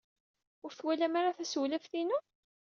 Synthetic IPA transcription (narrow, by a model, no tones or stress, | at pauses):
ʊɾθwælæmaɾaθæswlæfθinu